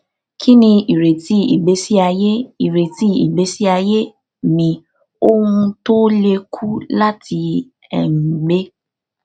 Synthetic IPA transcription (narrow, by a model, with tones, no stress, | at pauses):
kʰi˦nĩ˧i˨ɾe˨ti˨˦i˨ɡ͡be˨˦si˦a˧je˦i˨ɾe˨ti˦ḭ˨be˨˦si˦a˧je˦ | nĩ˨ | o˦hũ˧to˦le˧kʰu˦la˦ti˧ | ɛ̰˦˨ŋ̩˨ɡ͡be˦